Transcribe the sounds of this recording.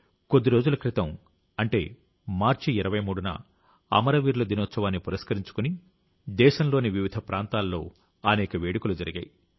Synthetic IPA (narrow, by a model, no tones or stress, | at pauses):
ko̞d̪ːiɾoːd͡ʒulɐkɾit̪ɐm | ɐɳʈe̞̰ː | maːɾt͡ʃiːɾɐʋɐjmuːɽunɐ̰ | ɐ̰mɐɾɐʋiːɾlɐd̪inɔːt̪sɐʋaːnːipuɾɐskɐɾiɲt͡ʃu̥kuni | d̪ɛːʃɐmlo̞ːniʋiʋid̪ʱɐpɾaːnt̪aːlːo̞ː | ɐnɛːkɐʋeːɽikulud͡ʒɐɾiɡɐ̰ːji